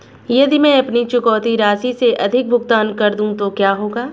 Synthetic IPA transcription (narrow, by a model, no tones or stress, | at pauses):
jɐd̪imɛ̃ːɐpnit͡ʃʊkɔːt̪iɾaːsiseʔɐd̪ʱɪk̚bʱʊɡt̪aːnkɐɾd̪ũt̪okjaːɦoːɡaː